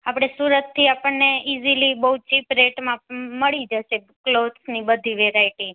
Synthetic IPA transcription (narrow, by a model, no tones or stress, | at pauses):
apɽ̃esuɾət̪ʰːiapəɳneizilibəɦut͡ʃipɾeʈmãməɭid͡ʒəʃe | klod̪snibəd̪ʱiʋeɾaiʈi